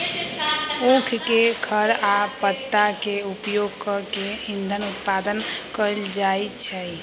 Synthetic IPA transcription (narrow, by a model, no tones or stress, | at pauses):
okʰkekʰəɾapət̪ːakeupjoɡkəkeind̪ʱənut̪pad̪ənkəld͡ʒajtt͡ʃʰə